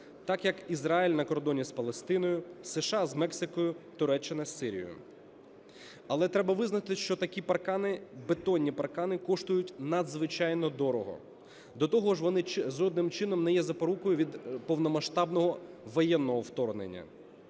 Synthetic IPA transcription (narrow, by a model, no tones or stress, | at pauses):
t̪ɑkjɐkizɾɑilʲnɐkɔrd̪ɔnʲispɐlˠest̪ɪnɔjʊseʃɑzmɛksɪkɔjʊt̪ʊɾɛt͡ʃːɪnɐsʲːɪɾʲḭjʊ̰ | ɐlˠɛt̪ɾɛbɐʋɪznɐt̪ɪʃt͡ʃɔt̪ɐkʲipɐrkɑnɪbet̪ɔnʲːipɐrkɑnɪkɔʃt̪ʊjʊtʲnɐd̪zʋɪt͡ʃɑjnɔd̪ɔɾɔɦɔ̰ | d̪ɔt̪ɔɦɔʒʋɔnɪzɔd̪nɪmt͡ʃɪnɔmnɛjɛzɐpɐɾukɔjʊʋʲid̪pɔwnɔmɐʃt̪ɑbnɔɦɔʋɔjɛnːɔɦɔwt̪ɔrnḛnʲːɐ̰